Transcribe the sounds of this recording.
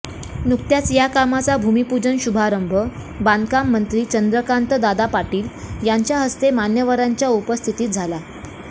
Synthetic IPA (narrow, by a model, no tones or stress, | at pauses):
nuk̚t̪jat͡sjakamat͡sabʱumipud͡ʑənɕubʱaɾəmbʱə | band̪kamːənt̪ɾiːt͡ɕənd̪ɾəkant̪əd̪ad̪apaʈiːljaɲt͡ɕjaɦəst̪emanjəʋaɾaɲt͡ɕjaupəst̪ʰit̪iːt̪̚d͡zʱala